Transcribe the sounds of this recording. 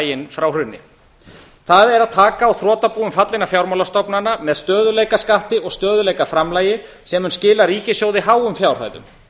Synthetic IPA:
jɪnfɾawrʏnːɪ̰ | θaðɛɾaðt̪ʰaːkaːwθɾɔːt̪apuːʏmfat̪lɪnafjawɾmawlast̪ɔpnanːamɛðst̪œːðʏlejkaskaht̪ɪʔɔɣst̪œːðʏlejkafɾamlaːjɪ | sɛmʏnscɪːlaɾiːcɪsjoːwðɪɦaːwʏmfjawr̥hœ̰ɥðʏ̰m

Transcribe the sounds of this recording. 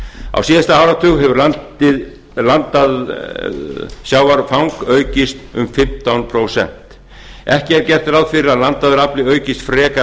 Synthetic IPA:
a̰wsiːðast̪ahawɾat̪ʰʏɣɦɛvʏɾlant̪ | ɪð | lant̪að | sjaːwvaɾfawŋkœːɥcɪst̪ʏmfɪm̥t̪awnpʰɾowsɛ̰n̥t̪ | ɛhcɪɛɾcɛr̥t̪ɪɾawðfɪɾɪɾaðlant̪aðʏɾaplɪœːɥcɪst̪fɾɛːka

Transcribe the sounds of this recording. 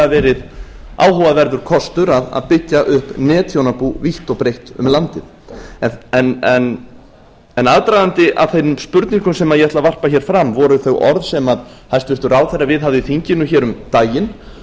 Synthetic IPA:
avɛːɾɪð | a̰ːwhɔvavɛɾðʏɾ̥kʰɔst̪ʏɾaða̰ðpɪcːaʔʏhpnɛːt̪ʰjownapuviht̪ɔɣpɾejht̪ʏ̰mlant̪ɪð | ɛɛnɛn | ɛnaðt̪ɾajðant̪ɪʔa̰ðθejnʏmspʏɾt̪niŋkʏmsɛmaðjɛhɛt̪lavar̥paçɛɾ̥fɾamvɔɾʏθœwɣʔɔ̰ɾðsɛmaðhajst̪vɪr̥t̪ʏɾaːwθejɾːavɪðɦavðɪθiɲcɪnʏçɛːɾʏmt̪aːjɪn

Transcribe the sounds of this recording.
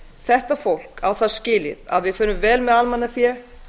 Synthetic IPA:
θɛht̪afowl̥kawθaðscɪːlɪ̰ða̰ðvɪðfʏːnʏmvɛːlmɛðalmanːaθjɛ

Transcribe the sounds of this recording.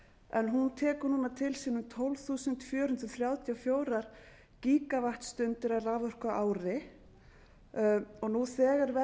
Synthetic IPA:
ɛnɦunt̪ʰɛːkʏɾnuːnat̪ʰɪlsiːnʏmt̪ʰɔlvθuːsʏnt̪fjœːɾhʏnt̪ɾɔθɾjaːwt̪ʰjawfjoːwɾaɾ̥ | ciːkavaht̪st̪ʏnt̪ɪɾaraːvœr̥kaʔaːwɾɪ | ɔɣnuθɛːɣaɾvɛ

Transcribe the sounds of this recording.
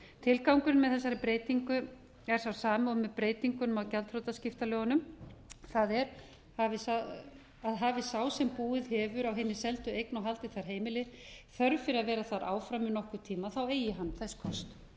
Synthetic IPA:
t̪ʰɪlkawŋkʏnmɛðθɛsːaɾɪpɾeːjt̪iŋkʏ | ɛɾ̥sθawsaːmaɔmːɛðpɾeːjt̪iŋkʏnmawcɛlt̪hɾowt̪ascɪft̪alœːɣanʏmθaðɛɾ | avɪsa | aðɦavɪsaːwsɛmpuːɪðhɛːvʏɾawɦɪnːɪsɛlt̪ʏejknawɦalt̪ɪθaɾ̥ɦeːjmɪlɪðθœɾfɪɾɪaðvɛːɾaθaɾa̰ːwfɾamɪnɔhkʏɾ̥t̪ʰiːmaθaweːjɪɦanːθɛsːkʰɔst̪

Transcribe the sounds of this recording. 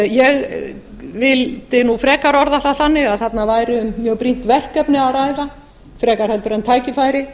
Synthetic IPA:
jɛɣ | vɪlt̪ɪnufɾɛːkaɾɔɾðaθaθanːɪɣaðθat̪navaːjɾɪʏmːjœːɣpɾin̥t̪vɛl̥kɛpnɪaɾaːjða | fɾɛːkaɾhɛlt̪ʏɾamt̪ʰaːjcɪfaːjɾɪ

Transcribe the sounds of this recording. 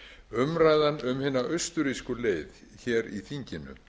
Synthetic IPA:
ʏmɾaːjðanʏmhɪːnaʔœɥst̪ʏɾiskʏleːjð | çɛːɾiθiɲcɪnʏ̰

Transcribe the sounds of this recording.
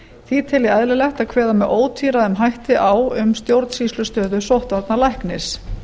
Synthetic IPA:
θit̪ʰɛlɪajðlɪlɛht̪aðkʰvɛːðamɛðʔoːwt̪ʰiːɾaðɛmɦajht̪ɪʔaːwʏmst̪jowɾt̪siːslʏst̪œːðʏsowht̪vaɾt̪nalajhknɪs

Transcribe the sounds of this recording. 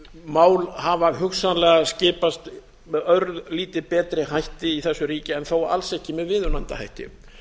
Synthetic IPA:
maːwlhavaɦʏxsanlɛɣascɪːpast̪ | mɛœɾðliːt̪ɪpɛːt̪ɾɪɦajht̪ɪiθɛsːʏɾiːcɪɛnθowaa̰lsɛhcɪmɛðvɪːðʏnant̪a̰ha̰jht̪ɪ̰

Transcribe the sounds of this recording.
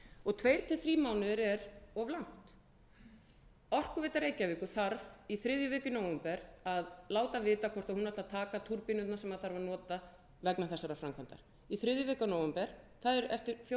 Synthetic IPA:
ɔɣt̪ʰvejɾ̥t̪ʰɪlθɾiːmawnʏɾɛɾɔvlawn̥t̪ | ɔr̥kʏvɪːt̪aɾejcavɪːkʏ̥θaɾviθɾɪðjʏvɪːcʏnoːwɛmpɛɾaðlaːwt̪avɪːt̪akʰɔr̥t̪ahunvat̪aðt̪ʰaːkat̪ʰuɾpɪnʏnnasɛmaðθaɾvaɾnɔːt̪a | vɛknaθɛsːaɾafɾamkʰant̪a̰ɾ̥ | iθɾɪðjʏvɪːkanowɛmpɛɾ̥ | θaðɛɾɛft̪ɪɾfj

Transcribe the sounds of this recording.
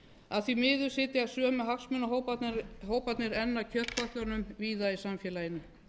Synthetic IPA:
aðθvimɪːðʏɾ̥sɪːt̪ɪasœːmʏɦaksmʏnaɦow̪ɦoːwpat̪nɪɾɛnːacʰœht̪kɔht̪lœɾnʏmviːðaisamfjɛːlajɪnʏ

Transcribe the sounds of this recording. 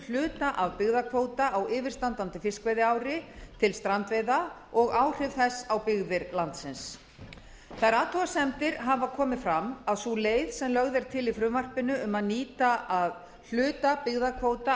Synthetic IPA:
l̥ʏːt̪aʔaðpɪɣðakʰvoːwt̪aawɪːvɪɾ̥st̪ant̪ant̪ɪfɪskvejðɪawɾɪt̪ʰɪlst̪ɾant̪veːjða | ɔɣaːwr̥ɪvθɛsːawpɪɣðɪɾlant̪sɪns | θaɾaːt̪ʰuasɛmt̪ɪɾɦavakʰɔːmɪfɾamaðsuleːjð̥sɛmlœɣðɛɾ̥t̪ʰɪlifɾʏmvar̥pɪnʏʏmaðniːt̪aað | l̥ʏːt̪apɪɣðakʰvoːwt̪a

